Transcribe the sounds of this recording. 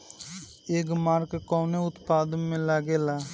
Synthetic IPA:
eːkmaːɾkkoːneːʊt̪paːd̪ənmẽːlaːɡeːlaː

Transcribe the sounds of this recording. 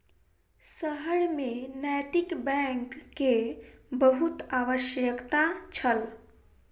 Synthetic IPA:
səɦəɽmenɛjt̪ikbɛ̃ŋkːebəɦut̪aʋəʃjəkt̪ãt͡ʃʰəl

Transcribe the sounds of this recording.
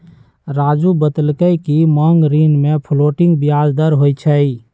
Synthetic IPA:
ɾaːd͡ʒubəd̪əlkəjkimɔŋɡɾinmepʰloːʈɪŋɡbijad͡ʒd̪əɾɦojt͡ʃʰəi

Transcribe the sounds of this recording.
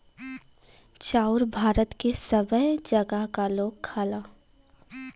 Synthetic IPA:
t͡ʃaːʊɾbʱaːɾət̪kesəbəɦd͡ʒɐɡəɦkaloːɡ̚kʰːaːlaː

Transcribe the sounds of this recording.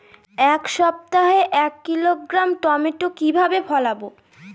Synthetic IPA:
ɛkʃɔp̚t̪aɦeʔɛkːilokːɾamt̪ɔmeʈokibʱabefʰɔlabo

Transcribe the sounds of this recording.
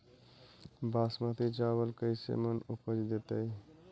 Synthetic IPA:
baːsmãt̪ʰit͡ʃabəlkəɪsḛmənukəd͡ʒd̪et̪əj

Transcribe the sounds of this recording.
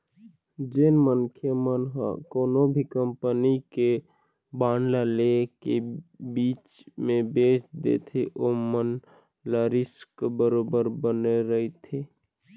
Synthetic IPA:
d͡ʒenmənkʰjəmənɦkoːnobʱikəmpənike | baːnlalekebiːt͡ʃmẽbeːsd̪ḛt̪ʰeʔomən | laɾɪskbəɾoːbəɾbəneɾəɦit̪ʰeː

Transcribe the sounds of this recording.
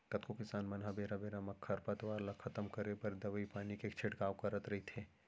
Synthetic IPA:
k̪ɐt̪kʰokɪsaːnmɐnɦabeːɾabeːɾamɐkʰːɐɾpɐt̪ʋaːɾlɐkʰɐt̪əmkɐɾepɐɾd̪ɐʋəipaːnikekt͡ʃʰeʈkaːwkɐɾət̪ɾɐɦit̪ʰeː

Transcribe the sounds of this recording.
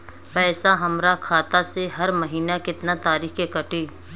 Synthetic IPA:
pɛːsaɦɐmɾakʰaːt̪aseɦɐɾmɐɦiːnakɪt̪nat̪aːɾiːxkekɐʈiː

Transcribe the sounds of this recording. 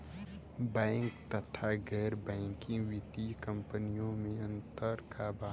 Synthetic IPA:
bɛ̃ːŋkt̪ɐt̪ʰaɡɛːɾbɛ̃ːŋkɪ̃ŋɡʋɪt̪ikə̃mpənijõmẽɐ̃nt̪əɾkabaː

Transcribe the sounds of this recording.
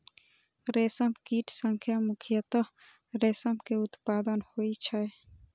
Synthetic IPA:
ɾeːsəmkiːʈʰsəŋkʰjamʊkʰijət̪ə | ɾeːsəmkeʊt̪paːd̪ənhoit͡ʃʰəe

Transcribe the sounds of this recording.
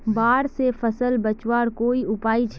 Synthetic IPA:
baːɾsefpʰəsəlbət͡ʃwaːɾkoːiʊpaːit͡ʃʰ

